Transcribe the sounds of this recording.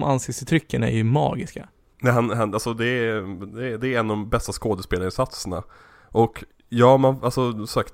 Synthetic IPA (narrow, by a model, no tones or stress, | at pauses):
mʔanseːsɪt̪ʰɾʏkːənaæ̰ɾjɵmɑ̰ːɡɪska | nɛhanɦanalsɔd̪ɛd̪ɛd̪ɛːɾɛnːd̪ɔmbɛst̪askoːd̪əspeːlaɾɪnsat̪səna̰ | ʔɔk | jɑːmanalsɔsakt̪